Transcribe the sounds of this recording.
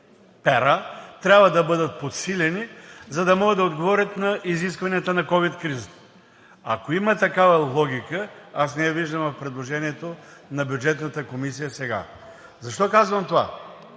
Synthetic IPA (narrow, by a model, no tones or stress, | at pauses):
pɛɾat̪ɾʲabvɐd̪ɐbɤd̪ət̪̚pot̪silʲɛnizɐd̪ɐmɔɡəd̪ɐod̪ɡovɔɾʲət̪nɐʔiziskvɐnijət̪ənɐkɔvit̪kɾiz | ɐkoimɐt̪ɐkavɐlˠɔɡ̟ʲikəasnɛɛviʒd̪əmvɐfpɾɛd̪lˠoʒɛniɛt̪onɐbjud͡ʒɛt̪nət̪əkomis̬ijəsɛɡa̰ | zɐʃt̪ɔkazvɐmt̪ova̰